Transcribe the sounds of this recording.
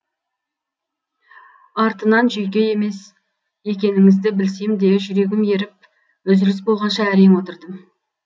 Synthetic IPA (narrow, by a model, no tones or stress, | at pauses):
ɑɾt̪ənɑnʒʏjk̬ʲe̞je̞me̞s | je̞k̬ʲe̞nɪŋɪzd̪ɪbɪlsemd̪e̞ʒʏɾe̞ɡʲɪmje̞ɾɪp̚ | ɵzɪɾɪs̬bo̞lˠʁɑnʃɑæɾe̞mwo̞t̪əɾd̪əm